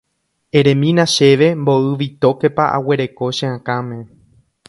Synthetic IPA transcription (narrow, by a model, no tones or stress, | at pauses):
ẽɾẽmĩnãʃe̞ʋe̞mboɨʋit̪o̞ke̞paʔa̰we̞ɾe̞ko̞ʃẽãkãmẽ̞